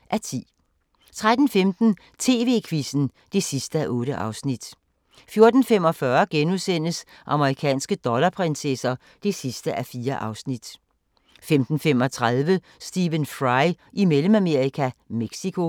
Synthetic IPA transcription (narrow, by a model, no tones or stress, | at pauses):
ʔæɐt͡sʰḭː | t͡sʰʁad̥n̩femd̥n̩ | t͡sʰe̝̰ːʋe̝̰ːkʰʋisn̩ | d̥e̝sisd̥əæʔɔ̽ːɾ̥əʔɑ̈ʊsnid̥ | fjo̝ɐd̥n̩fem̰ɒ̽fɶɐɡ̥enuðˠsen̰əsʔɑ̈məʁikʰɛ̰ːnsɡ̥əd̥ɒ̽lɐpʰʁɛnsesɐ | d̥e̝sisd̥əʔæfiːɐʔɑ̈ʊsnid̥ | femd̥n̩femɒ̽t͡sʰʁað̞ˠʋə | sd̥iʋənfʁɑ̈ɪ | ʔimeləmæme̝ɐʁikʰæmeɡ̥sikʰo̝